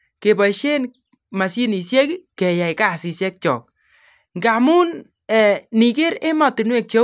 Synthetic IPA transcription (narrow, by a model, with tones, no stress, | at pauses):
ke˨bɔ˨ʃe˦n | ma˨si˦ni˨sjɛ˦kkɛ˨ja˨jka˦˨si˨sjɛ˦k̚t͡ʃɔ̰ː˨k̚ | ŋɡa˨mu˦n | ɛ˨ni˨ke˦ɾe˦mɔ˨tɪ˨nwe˦˨k̚t͡ʃe˦